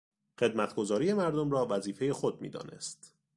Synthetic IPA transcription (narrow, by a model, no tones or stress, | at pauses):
xe̞d̪mæt̪ʰɡ̥o̞zɒːɾije̞mæɾd̪omɾɒːvæziːfe̞je̞xo̞d̪̚mḭːd̪ɒ̰ːnḛst̪